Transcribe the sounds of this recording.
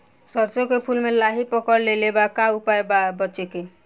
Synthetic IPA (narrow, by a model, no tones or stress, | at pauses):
sʌɾt͡ʃokepʰulmelaɦipɔkɔɾlelebakaupaebabʌt͡ʃeke